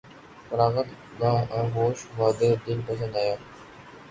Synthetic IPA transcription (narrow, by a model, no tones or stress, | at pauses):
fəɾaːɣət̪ | ɡaːɐɦoːʃʋaːd̪eːd̪ɪlpəs̬ə̃nd̪aːjaː